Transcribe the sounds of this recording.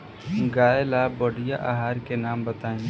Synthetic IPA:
ɡaːelaboːɖijaʔaɦaːɾkenaːmbət̪aːĩ

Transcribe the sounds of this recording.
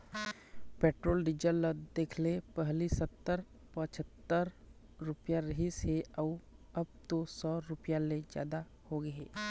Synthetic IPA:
peːʈɾoːlɖɪd͡ʒəlːəd̪eːkʰlepəɦlisət̪ːəɾ | pət͡ʃʰət̪ːəɾ | ɾʊpjaɾɐɦiseɐɐb̚t̪osɔːɾʊpjaled͡ʒja̰ːd̪a | hoɡɐɦeː

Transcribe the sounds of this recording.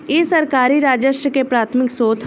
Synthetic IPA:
eːsɐɾkaːɾiɾaːd͡ʒəʃɾəkepɾaːt̪ʰmɪksoːt̪ʰ

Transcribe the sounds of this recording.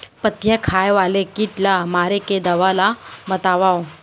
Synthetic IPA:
pət̪jəkʰaːjʋaːlekiːʈlamaːɾeked̪ɐʋalabət̪aʋao

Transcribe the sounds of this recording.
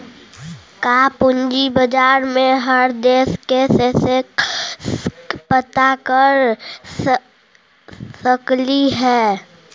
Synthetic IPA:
kaːpʊnd͡ʒibəd͡ʒaːɾmẽɦəɾd̪eːskesese | pət̪akəɾs | səkliɦɛː

